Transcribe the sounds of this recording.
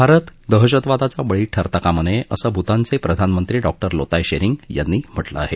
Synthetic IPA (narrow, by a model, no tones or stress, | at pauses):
bʱaɾət̪d̪əɦəɕət̪ʋad̪at͡saʋəɭiːʈʰəɾt̪əkaməneʔəsəːbʱut̪ant͡sepɾəd̪ʱanmənt̪ɾiːɖɔk̚ʈəɾlot̪ajɕeɾiŋɡja̰nːiːm̤əʈlə̰a̰ɦe